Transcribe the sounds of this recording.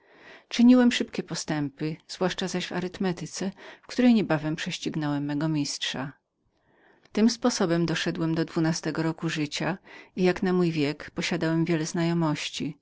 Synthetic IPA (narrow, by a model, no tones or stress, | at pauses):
t͡ʂɘɲiwɛmʂɘpkʲɛpɔst̪ɛmpɘz̥vwaʂt͡ʂazaʑva̰ɾɘt̪mɛt̪ɘt̪sɛfkt̪uɾɛjɲɛbavɛmpʂɛɕt͡ɕiɡnɔwɛmːɛɡɔmʲistʂa | t̪ɘmspɔsɔbɛmd̪ɔʂɛd̪wɛmd̪ɔd̪vunast̪ɛɡɔɾɔkuʐɘt͡ɕaijaknamujvʲjɛkpɔɕad̪awɛmvʲjɛlɛznajɔmɔɕt͡ɕi